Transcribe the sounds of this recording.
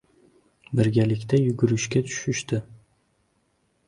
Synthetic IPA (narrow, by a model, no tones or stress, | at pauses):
bɪɾɡʲalɪkʲt̪ajʊɡʲʊɾɪʃkʲat̪ʰʊ̥ʃɪʃt̪ɪ